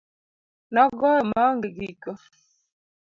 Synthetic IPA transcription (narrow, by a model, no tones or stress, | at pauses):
naɡɔəmaŋɡiɡikə